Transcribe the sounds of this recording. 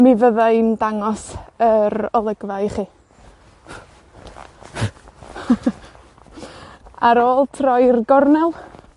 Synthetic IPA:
mivəðaɨndaŋɔsəɾɔlˠəɡvajχiː | aɾoːlˠtʰrɔjrɡɔrnɛlˠ

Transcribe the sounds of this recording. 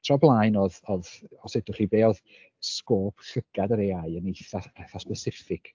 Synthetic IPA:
tʰrɔblˠaːjnɔðɔðɔsɛdʊχibeːɔð | skoːpʰɬəɡ̥adəɾeaɨənejθaɛθaspəsɪfɪkʰ

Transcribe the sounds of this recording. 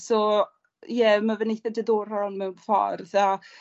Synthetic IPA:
sɔ | jɛmavənejθɛdəðɔːr̥ɔnmɛwnfa̰rða

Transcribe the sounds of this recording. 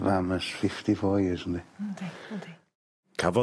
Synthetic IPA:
vaməsfɪftifɔjɪznti̥ | kʰavɔ

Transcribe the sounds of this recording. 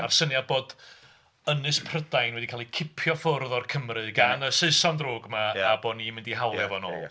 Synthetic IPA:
a̰rsənjaboːd | ənɨspʰrədajnwɛdikʰaːlˠikʰɪpʰjɔfʊrðɔrkʰəmrɨɡanəseɨsɔndroːɡmaːboːdnimɪndiɦawlˠɛvɔno̰ːlˠ

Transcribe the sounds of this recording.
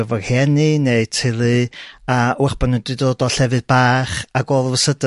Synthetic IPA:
əvɔrhɛnɨneɨtʰɪlˠɨawɛχb̥ɔnudɨdoːdɔɬɛvɨd̚baːχaɡoːlˠəvəsədə

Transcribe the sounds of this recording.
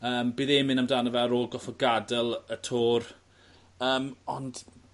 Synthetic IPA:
əːmbɪːðɛmɪnamdanəvɛəɾoːlˠɡɔfɔɡadɛlˠətʰoːr | əːmɔnd̥

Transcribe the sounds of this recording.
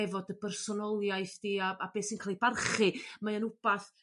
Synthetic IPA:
ɛvɔdəbɛrsɔnɔlˠjajθd̥iːaabeːsinkʰaːlˠibarχɨmaənʊb̥aθ

